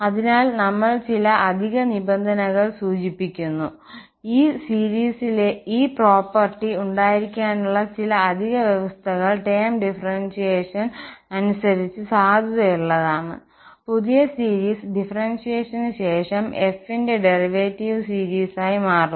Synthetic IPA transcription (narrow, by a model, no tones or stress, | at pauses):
ɐðinaːlnɐmːɐɭt͡ɕilɐʔɐd̪ʱiɣɐnibend̪ʱɐnɐɣɐɭsuːt͡ɕipːikʲːunːu | iːsiːɾiːsileiːpro̞ːpːɐrʈːiuɳɖaːjiɾikʲːaːnuɭːɐt͡ɕilɐːd̪ʱiɣɐʋjeʋɐst̪ʰɐɣɐɭʈeːmɖifɐrɐnʂijeːʂɐnɐnusɐɾit͡ɕːɨsaːd̪ʱɐðɐjuɭːɐðaːɳɨ̰ | puðijɐsiːɾiːsɖifɐrɐnʂijeːʂɐnɕe̞ːʂɐme̞finde̞ɖe̞riʋeːtːiʋɨsiːɾiːsaːjimaːru